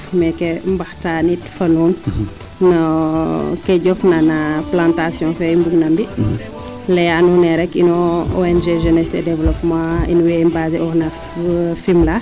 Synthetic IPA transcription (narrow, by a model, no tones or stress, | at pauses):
mɛkɛmbɐxtaːnitfɐnuːn | nɐ | kɛɟɔfnanaplãntasjɔ̃fɛjmbuɡnɐmbi | lɛjanunɛɾɛkːinɔɔɛnʒeʒɛnɛsɛdɛvlɔpmãḭnuwɛmbazɛɔhnɐ | fimla